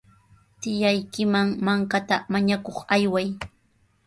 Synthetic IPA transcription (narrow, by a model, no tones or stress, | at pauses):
t̪ɪjajkɪmaŋmaŋkat̪amaɲakoχajwaj